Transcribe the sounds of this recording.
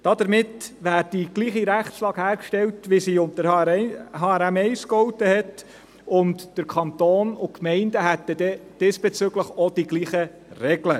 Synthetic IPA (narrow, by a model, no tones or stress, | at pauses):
d̥ɑd̥əɾmɪtʋæːɾd̥iɡ̥liːχiɾæχtslɑːɡ̥hæːɾkʃtɛwtʋɪsiʊntə | hɑːæɾæmɛɪskɔwtəhɛt | ʊntd̥əɾkʰɑnt̪oːnʊkmɛɪndəɦæt̪əd̥̪ɛd̥esb̥et͡sʏɡləχɔd̥iɡliːχə | rɛɡlə